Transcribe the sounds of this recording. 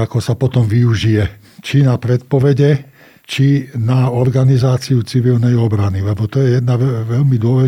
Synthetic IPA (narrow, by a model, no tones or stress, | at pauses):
akɔsapɔt̪ɔmʋiuʒijɛ | t͡ʃinapɾɛt̪̚pɔʋɛɟɛ | t͡ʃinaɔɾɡanizaːt͡siut͡siʋilnɛjɔbɾanilɛbɔt̪ɔjɛjɛd̪naɛʋɛʎmid̪ʊɔʋɛ